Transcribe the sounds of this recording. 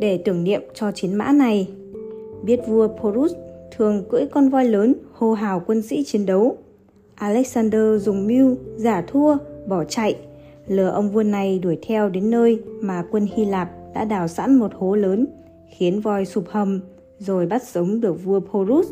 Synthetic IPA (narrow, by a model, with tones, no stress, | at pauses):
ɗe˧˩t̪ɨ˧˩əŋnḭ˧˨əmt͡ɕɔ˧t͡ɕi˨˦nma̰ː˧˥na˨˩j | ɓi˦˥ət̚vu˧əpʰo˧ɾu˦˥st̪ʰɨ˨˩əŋkɨ̰˧˥jkɔ˧nvɔ˧jləː˨˦nho˧ɦaː˨˩wkwə˧nsḭ˧˥t͡ɕi˨˦ənɗə˨˦w | ʔaː˧lɛ˦˥k̚saː˧nɗəː˧zʊ˨˩ŋ͡mmi˧wzaː˧˩t̪ʰu˧əɓɔ˧˩t͡ɕa̰˧˨jʔ | ləː˨˩ʔə˧wŋ͡mvu˧əna˨˩jɗu˧˩əjt̪ʰɛ˧wɗe˨˦nːəː˧jmaː˨˩kwə˧nhi˧laː˨˩p̚ɗa̰ː˧˥ɗaː˨˩wsa̰ː˧˥nmo˨˩t̚ho˨˦ləː˨˦n | xi˨˦ənvɔ˧˩jsu˨˩p̚hə˨˩m | zo˨˩jɓa˦˥t̚sə˨˦wŋ͡mɗɨ˨˩ək̚vu˧əpʰo˧zu˦˥s̚